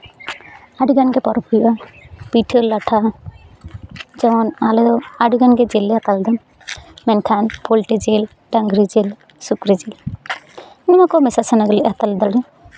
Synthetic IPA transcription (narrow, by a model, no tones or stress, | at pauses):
aɖiɡanɡɛpɔɾɔpʰujbapiʈʰəlaʈʰa | d͡ʒɛwɔnalɛd̪ɔaɖiɡanɡɛd͡ʒeleɦat̪ald̪ɔn | mɛnkʰanpolʈid͡ʒel | ɖaŋɡɾid͡ʒel | sukɾid͡ʒel | nimakɔmɛsasanaɡəlɛat̪ald̪alɛ